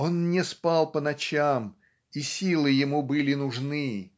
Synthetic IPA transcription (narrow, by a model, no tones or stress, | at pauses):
o̞nnʲɪspɑlˠpənɐt͡ɕam | isʲilˠɨjɪmubɨlʲɪnʊʐnɨ